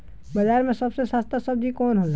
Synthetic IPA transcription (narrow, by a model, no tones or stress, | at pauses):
bəd͡ʒaːɾmẽsəbsesaːst̪ʰasəb̚d͡ʒ̪ʱikɔːnɦol